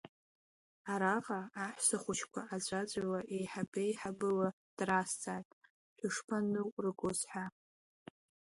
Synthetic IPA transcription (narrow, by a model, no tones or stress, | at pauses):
aɾaqʼaːħʷsɨχʷʊt͡ʃʰkʷʰaʔad͡zʷʼad͡ʒʷʼawaʔejħabejħabɨla | d̥rast͡sʰʼatʼ | ħʷᶣʊʂpʰanɨrɨɡʷʊsħʷa